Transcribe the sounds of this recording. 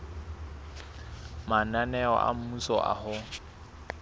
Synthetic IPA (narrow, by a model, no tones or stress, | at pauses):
mananɛɔ̰ʔa̰m̩musɔʔa̰hʊ